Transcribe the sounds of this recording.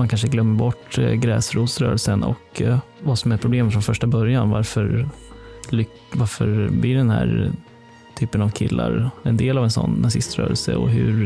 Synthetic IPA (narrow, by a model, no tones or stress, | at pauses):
mankʰanʂəɡlœmːəɾbɔʈːɡɾɛːsɾuːsɾœ̰ːɾəlsənɔ̰k | vasɔmæɾpʰɾʊbleːmfɾɔnfœʂʈabœɾjanvaɾfœɾ | lʏ | vaɾfœɾblɪɖɛnhæ̰ːɾ | t̪ʰyːpənavkʰɪ̰lːa̰ɾɛnd̪eːlavɛnsɔ̰nːasɪst̪ɾœ̰ːɾə̰lsə̰ɔ̰ɦɵ̰ɾ